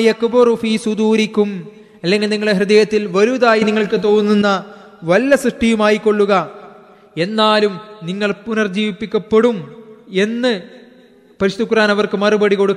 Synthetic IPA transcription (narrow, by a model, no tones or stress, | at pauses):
jɐkburufiːsud̪uːɾikum | ɐlːeŋɡilniŋːɐɭeɦrɨðɐjɐt̪ːilʋɐɾuðaːjiniŋːɐɭkɨt̪o̞ːnːunːɐ | ʋɐlːɐsrɨʂʈijumaːjikːo̞ɭːuɣɐ | e̞nːaːlumniŋːɐɭpunɐrd͡ʑiːʋipːikʲːɐpːeɽume̞nːɨ | pɐɾiɕɐðukːɾaːnɐʋɐrkɨmɐrubɐɽiko̞ɽukː